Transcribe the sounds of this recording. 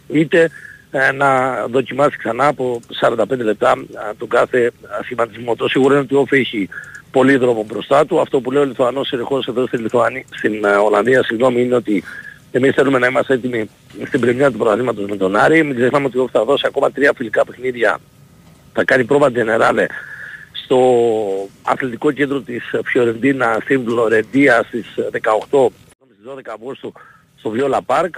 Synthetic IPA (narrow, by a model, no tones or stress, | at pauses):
it̪e̞nɐðo̞cimɐsi̥ksɐnɐːpo̞sɐɾɐnd̪ɐpend̪ele̞p̚t̪ɐt̪oɡɐθe̞simɐnd̪izmot̪osiɣuɾɐineot̪io̞fieçipo̞liðɾo̞mobɾo̞st̪ɐt̪uɐft̪o̞puleioliθuɐno̞sinixo̞seðo̞st̪inliθuɐnist̪ino̞lɐnðiɐsiɣno̞miineo̞t̪i | e̞misθelume̞nɐimɐst̪eet̪imi | st̪ibɾemɲiɐt̪upɾɐðlimɐt̪o̞zmet̪o̞nɐɾimiɡzexnɐmeo̞t̪iot̪iθɐðo̞siɐko̞mɐt̪ɾiɐfilikɐpe̞xniðʝɐ̰ | θɐkɐnipɾo̞vɐt̪zene̞ɾɐle̞st̪o̞ | ɐ̰θlit̪iko̞cend̪ɾo̞t̪isfço̞ɾend̪inɐst̪ivlo̞ɾe̞nd̪iɐst̪izðe̞kɐoxt̪o̞ | nomist̪izðo̞ðekɐvɣust̪u | st̪o̞vjolɐpɐɾk